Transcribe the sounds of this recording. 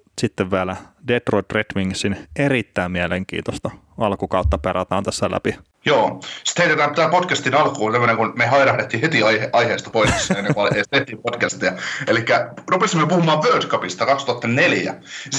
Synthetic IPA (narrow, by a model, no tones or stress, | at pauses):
sit̪ːeʋʋiælædet̪roit̪ret̪miŋsinerit̪ːæimmiæleŋkḭːnt̪ost̪ɑ | ɑlkukɑut̪ːɑperɑt̪ɑːnt̪æsːælæ̰pi | joːsi̥t̪heijt̪et̪æːmt̪t̪æːpodkæst̪inɑlkuːnsemːoneŋkunmehɑiɾɑhdet̪ːiːhet̪iɑeʔɑiheːst̪ɑpoissenːekuɑlest̪et̪ːiːpodkæst̪iɑelikːærupesimːøpuhumɑːʋʋøːdkɑpist̪ɑkɑkst̪uɑt̪ːɑneljæ̰